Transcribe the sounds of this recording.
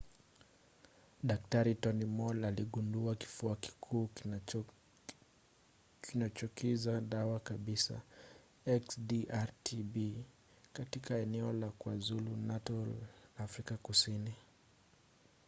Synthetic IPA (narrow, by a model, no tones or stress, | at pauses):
ɗak̚taɾitɔnimɔlaliɠunduaki̥fuaki̥kʰuː | kinat͡ʃɔkizaɗawakaɓisa̰ | ɛksdiʔaɾtʰibi | katikaɛnɛɔlakuazulunatɔlafɾikakusini